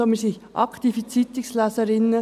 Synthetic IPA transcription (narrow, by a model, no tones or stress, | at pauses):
omisix | ʔɑ̰kt̪ifit͡sit̪ɪkslæsəɾɪnːə